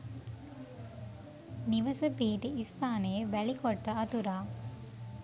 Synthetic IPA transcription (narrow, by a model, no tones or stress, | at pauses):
niʋɐsɐpiːʈ̪iːst̪aːnejeʋæɭikoʈːəɐt̪uɾaː